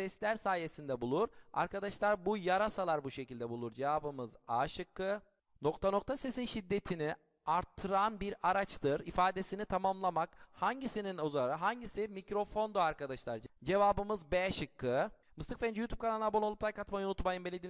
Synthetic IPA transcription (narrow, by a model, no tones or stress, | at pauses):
ɛslʲæɾsaːje̞sind̪ɛbulˠuɾa̰ɾkʰad̪aʃlˠaɾbujaɾasalˠaɾbuʃecʰilʲd̪ɛbulˠuɾd͡ʒe̞vaːbɯmɯzaːʃɯkːɯ | no̞kt̪ʰano̞k̚t̪ʰase̞sinʃid̪ːe̞t̪ʰini | aɾt̪ʰːɯɾanbiɾaɾat͡ʃt̪ʰɯɾifaːd̪e̞sinit̪ʰamamlˠamakhaɲɟisininozaɾaɦaɲɟisimicɾo̞fo̞nd̪oaɾkad̪aʃlˠaɾd͡ʒd͡ʒe̞vaːbɯmɯzbɛʃɯkːɯ | mɯst̪ʰɯkfend͡ʒjut̪ʰupkʰanalˠnabonolˠupt̪ʰˠajkat̪majonut̪majɯmbelʲːed̪i